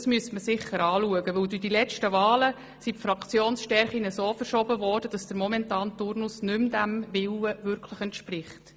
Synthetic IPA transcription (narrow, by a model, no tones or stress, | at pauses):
smyəstməsɪχːəɾɑːluəɡəʋɵwdyd̥ilɛt͡ʃtəvɑːlə | sipfɾɑkt͡sjoːnsʃtɛɾχinəsoːfəɾʃɔbəvɔːrd̥əd̥ɑsd̥əɾmɔmɛntɑːnt̪ʊrnʊsnʏmdæmvɪwəvʏɾkʰləχɛntʃprɪχt